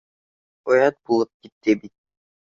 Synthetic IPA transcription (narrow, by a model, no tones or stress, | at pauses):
ojɑt̪̚bulˠup̚kit̪ːibit̪̚